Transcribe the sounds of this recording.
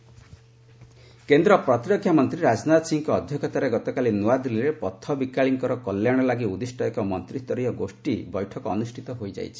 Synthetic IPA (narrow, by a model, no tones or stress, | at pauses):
kend̪ɾɔpɾɔt̪iɾɔkʰjamɔnt̪ɾiɾad͡ʒnat̪siŋkɔːd̪ʱjɔkʰɔt̪aɾeɡɔt̪ɔkalinuad̪uliɾepɔt̪ʰːɔbikaɭiŋkɔɾɔkɔlːjaɽ̃ɔlaɡiud̪isʈɔjɔkɔmɔ̰nt̪ɾist̪ɔɾijɔɡosʈibɔjʈʰɔkɔːnusʈʰit̪ɔɦojd͡ʒa̰jt͡ʃʰi̥